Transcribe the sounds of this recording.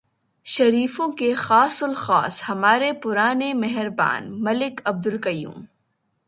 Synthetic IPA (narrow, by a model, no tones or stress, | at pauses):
ʃɐɾiːfõkexaːsʊlxaːshɐmaːɾepʊɾaːnemɐɦɪɾba̰ːnmɐlɪkɐb̚d̪ʊlkɐjṵːm